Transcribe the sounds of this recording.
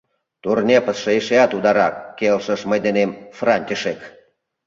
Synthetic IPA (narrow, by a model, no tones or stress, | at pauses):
t̪urnʲepəsʃeeʃeɑt̪ud̪ɑɾɑkːelʃəʃməjd̪enemfrɑnʲt̪ʲiʃek